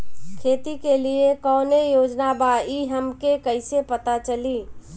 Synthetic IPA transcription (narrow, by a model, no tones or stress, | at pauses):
kʰet̪ikeliekɔːnejod͡ʒnabaiɦəmkekəɪsepət̪at͡ʃəli